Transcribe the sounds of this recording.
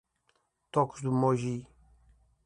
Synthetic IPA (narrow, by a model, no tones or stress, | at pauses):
t̪ɔksd̪umɔʒi